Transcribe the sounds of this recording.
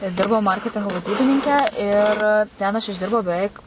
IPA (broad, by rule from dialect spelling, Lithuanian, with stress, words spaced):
ˈdʲɪrbɐʊ ˈmɐrʲkʲɛtʲɪŋɡoː ʋɐˈdʲiːbʲɪnʲɪŋʲkʲɛ ɪr tʲɛn ɐʃ ɪʒʲˈdʲɪrbɐʊ bʲɛˈʋʲɛɪk